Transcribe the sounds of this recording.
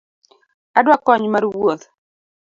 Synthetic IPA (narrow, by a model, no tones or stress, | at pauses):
adwakɔɲmaɾwot̪